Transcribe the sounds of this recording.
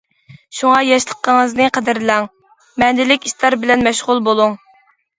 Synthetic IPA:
ʃuŋɑjɑʃlˠə̥qːəŋəznɨqʰəd̪ɪɾlæŋ | mɛnd̪ɪlɪkʲist̪ɑɾbɪlɛnmɛʃʁʊlˠbolˠuŋ

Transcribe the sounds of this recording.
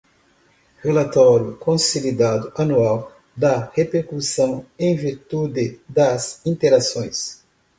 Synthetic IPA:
helat̪ɔɾjukõsilid̪ad̪uʔanuaw | d̪ɐhepeɾkusɐ̃w̃ẽj̃viɾt̪ud̪ɪd̪ɐzĩnt̪eɾasõj̃s

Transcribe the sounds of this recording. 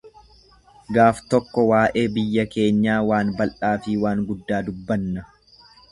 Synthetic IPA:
ɡaːft̪ɔkːɔwaːʔe̞ːbɪjːɐke̞ːɲːaːwaːnbɐlʔaːfɪwaːŋɡʊd̪ːaːd̪ʊbːɐnːɐ

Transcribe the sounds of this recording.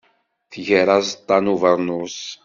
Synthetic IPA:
θʝəɾˤazt̪ˤːɑnuvəɾˤnus

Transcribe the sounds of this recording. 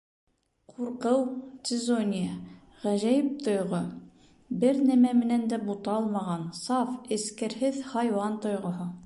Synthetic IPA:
qʰuɾqɤwsʲɪzonʲɪjə | ʁæʑæjɘp̚t̪ŏjʁo | bɘɾnæmæmɘ̆nænd̪æbut̪ɑɑlˠmɑʁɑnsɑfɘ̆skæɾhɘðhɑjwɑnt̪ŏjʁŏɦɤ

